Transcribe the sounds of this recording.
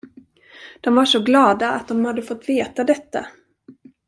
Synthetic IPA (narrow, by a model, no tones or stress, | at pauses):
d̪̥ɔmvaʂɔɡlɑːd̪aa̰t̪̚d̪ɔmhad̪ːəfɔt̪ːveːt̪ad̪ɛt̪ːa̰